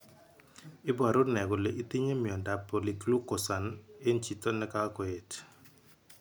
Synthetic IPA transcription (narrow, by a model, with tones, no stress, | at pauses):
ɪ˦bwa˨ɾʊ˦nɛ˨ɡʊ˨le˨ʔi˦t̪i˦ɲe˦mi˨ɔ˨nda˨pːɔ˨li˨klu˦kːɔ˨sa˨ne˦nt͡ʃi˨tɔ˦nɛ˦ka˦kɔ˨e˨t